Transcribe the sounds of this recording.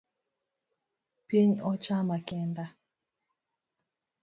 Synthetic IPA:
pjeɲɔt͡ʃamakɛnd̪a

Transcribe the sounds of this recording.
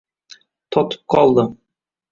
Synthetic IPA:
t̪ʰɒt̪ɤ̥p̚qɒlˠd̪ɤ

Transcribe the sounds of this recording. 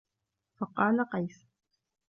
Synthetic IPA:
fɑqɑːlaqɑjs

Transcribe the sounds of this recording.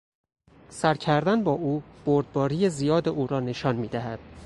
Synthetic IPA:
sæɾcʰæɾd̪ænbɒːʔuːb̥oɾd̪̚bɒːɾiːjezijɒːd̪eʔuːɾɒːne̞ʃɒːnmiːd̪æɦæd̪̥

